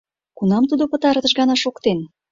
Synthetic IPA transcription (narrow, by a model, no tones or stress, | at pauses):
kunɑmt̪ud̪opə̆t̪ɑɾt̪ə̆ʃɣɑnɑʃokt̪en